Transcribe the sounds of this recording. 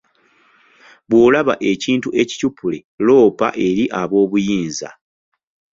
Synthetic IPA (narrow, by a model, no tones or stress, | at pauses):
βwoːlaβaʔe̞ciːntuʔe̞ci̥cupule̞ | lo̞ːpa̰ʔe̞ɾiʔaβo̞ːβujiːnza̰